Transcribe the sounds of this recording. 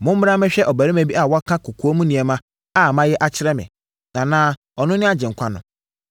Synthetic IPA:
mʊ̃˦m̩˦m˦ɾa˦mɪ̃˦ɕᶣɛ˦ʔɔ˨bæ˨ɾi˦mæ̃˦bi˦a˦˨wɔ˦kʰã˦kʰʊ˨kʰu˦o˦mũ˦nĩ˨ɛ˨mã˦ | a˦˨mã˦jɛ˦ʔa˦t͡ɕʰɪ˦ɾɛ˦mɪ̰̃˨ | nã˨nãː˦ | ɔ˨nʊ̃˦nɪ̃˦a˦d͡ʑɪ̃˨ŋ̩˨kʷʰa˦nʊ̃˨

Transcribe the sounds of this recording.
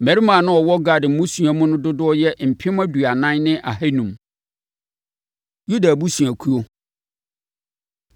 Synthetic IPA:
mæ˨ɾi˦mã˨nʊ̃˦ɔ˨wɔ˦ɡa˨dɪ˨˦mʊ̃˦sũ˨a˨mʊ̃˦nʊ̃˦dʊ˦dʊ˦ɔ˦jɛ˦m̩˨pʰɪ˦m˦æ˦du˨a˨nã˦nnɪ̃˦ʔa˨ɦe˦nũ˨m | ju˦da˨bu˦sũ˨æ˨kʰu˦o˦

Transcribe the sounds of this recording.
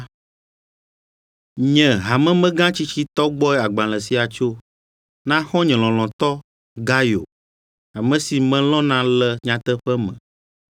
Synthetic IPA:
ɲɛ̃˨ɦa˨mɛ̃˦mɛ̃˦ɡã˦t͡ɕi˦t͡ɕi˦t̪ɔ˦ɡ͡bɔ˦ɛ˦a˨ɡ͡bã˨lɛ̃˨si˦a˨t͡ʃo˦ | nã˦xɔ̃˦ɲɛ̃˨l̃ɔ̃˨l̃ɔ̃˨t̪ɔ˦ | ɡa˦jo̰˨ | a˨mɛ̃˦si˨mɛ̃˨lɔ̃˦nã˦lɛ˦ɲã˦t̪ɛ˦ɸɛ˦mɛ̰̃˨

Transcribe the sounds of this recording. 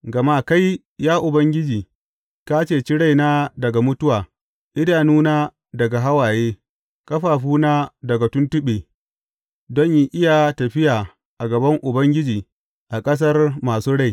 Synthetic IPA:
ɡɐ˨ma˦ka˦j | jaː˦ʔʊ˨bɐ˦ŋɡʲɪ˦d͡ʒiː˨ | kaː˦t͡ʃeː˦˨t͡ʃi˦ɽa˦˨jnaː˦dɐ˨ɡa˨mʊ˦tʊ˦waː˨ | ʔɪ˦daː˨nuː˦naː˦ | dɐ˨ɡa˨ɦa˦waː˨jeː˦ | kɐ˦ɸaː˨ɸuː˦naː˦dɐ˨ɡa˨tʊ˦ntʊ˦ɓeː˨ | dɔ˦ɲji˦ʔɪ˦ja˨tɐ˨ɸɪ˦jaː˨ | ʔa˨ɡɐ˨bɐ˦ŋʔʊ˨bɐ˦ŋɡʲɪ˦d͡ʒiː˨ | ʔa˨kʼɐ˦s̬ɐ˦rmaː˨suː˦ɽa˦˨j

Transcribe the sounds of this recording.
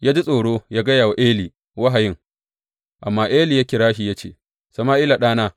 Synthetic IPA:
ja˦d͡ʒi˦sʼoː˨ɽoː˦jaː˦ɡɐ˦jaː˨wa˨ʔeː˦liː˨ | wa˦ɦa˨jɪ˦ŋ | ʔa˨mːaː˦ʔeː˦liː˨ja˦kʲɪ˨ɾaː˦ʃi˨ja˦t͡ʃḛː˨ | sɐ˨maː˦ʔi˦la˨ɗaː˦naː˦

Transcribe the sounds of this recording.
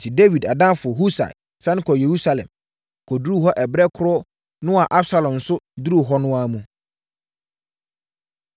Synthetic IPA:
n̩˨tʰi˨de˦wi˨da˨dã˦fʊ˨ɔ˨ɦu˦sa̰˨ɪ˨ | sã˦ñ˦kʰɔ˨je˨ɾu˦sa˦lɛ̰̃˨m | kʰɔ˨du˨˦ɾu˦ɦɔ˦ʔɛ˨bɾɛ˦kʰʊ˦ɾʊ˦ | nʊ̃˦a˨ʔa˦bsa˦lɔ̃˨mn̩˨sʊ˦du˦ɾu˨ɦɔ˦nʊ̃˦a˦mũ˨

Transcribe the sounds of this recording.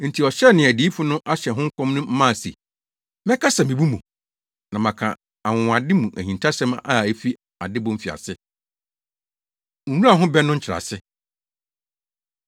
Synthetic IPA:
n̩˨tʰi˨ɔ˨ɕɛ˦˨nɪ̃˨æ˨di˨˦i˦fʊ˦nʊ̃˦ʔa˦ɕɛ˨ɦʊ̃˦ŋ̩˦kʰɔ̃˦mnʊ̃˦m̩˦mã˦˨sḛ˨ | mɛ̃˦kʰa˦sa˨mĩ˨bu˦mũ˨ | nã˨mã˨kʰã̰˨ | a˨wʊ̃˨a˨dɪ˦mũ˨ʔæ˨hĩ˨ntʰa˦sɛ̃˦ma̰˦˨æ˦fi˦ | a˨dɪ˦bʊ̃˦fi˨a̰˨sɪ˦˨ | wũ˦a˨ɦʊ̃˦bɛ˦nʊ̃˦ɲ̩˦t͡ɕʰɪ˨ɾa̰˨sɪ˦

